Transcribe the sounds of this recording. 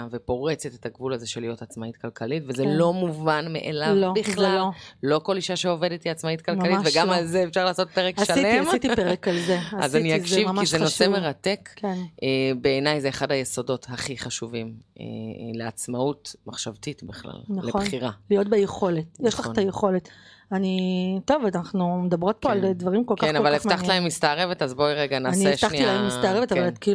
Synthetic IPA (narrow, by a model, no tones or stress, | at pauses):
vepo̞ʁet͡setet̪aɡvulazeʃelijo̞tat͡smait̚kalkʰalitvezelo̞muvanmḛʔelalvobiχlallo̞ko̞liʃaʃeo̞vedetiat͡smait̚kalkaliveɡamalzeefʃaʁlaːso̞t̚peʁekʃalemit̪ipeʁekalzeazaniakʃivkizenosemeʁate̞knebeːnajzeːχadhajeso̞do̞thaχiχaʃuvimḛleat͡smautmaχʃavt̪itbiχla̰lnaleχonχiʁalijo̞t̪̚bejeχo̞le̞t̪jɛʃlaχtajeχo̞le̞t | anito̞vanaχnumedabʁo̞t̚po̞aldvaʁimkolkanaolvaleχmaχtlaemːist̪aːʁevetazboiʁeɡanaanitaχniilahemːistaːʁevetavalki